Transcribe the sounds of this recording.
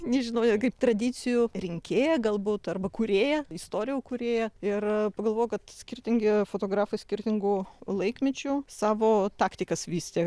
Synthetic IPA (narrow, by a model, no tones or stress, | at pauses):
nʲɛʒʲɪnɐʊɛkɐɪpt̪rɐd̪ʲɪːt͡ssʲɪjʊrʲɪŋʲkʲeːjɛɡɐlˠbuːt̪ɐrbɐkuːɾʲeːjɛɪst̪oːɾʲɪjʊːkʊɾʲeːjɛɪrpɐɡɐlˠʋoːjʊkɐt̪sʲkʲɪrʲt̪ʲɪŋʲɡʲɪfoːt̪oːɡɾɑːfɐɪsʲkʲɪrʲt̪ʲɪŋɡʊːlˠɐɪkmʲɪt͡ʃʲusɑːʋoːt̪ɑːkt̪ʲɪkɐsʋʲiːsʲt̪ʲeː